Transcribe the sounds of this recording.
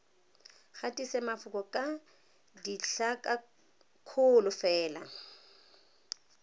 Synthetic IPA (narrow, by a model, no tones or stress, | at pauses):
χatʼisɛmafʊkʼɔkʼa | diɬakʼa | kʰʊlʊfɛːla